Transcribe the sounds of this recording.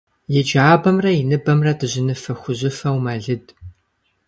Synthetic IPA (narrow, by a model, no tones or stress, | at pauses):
jɛd͡ʒaːbɐmrɐɪnɨbɐmrɐdɨʑɪnɨfɐxʷʊʑɪfɐwmɐɮɨd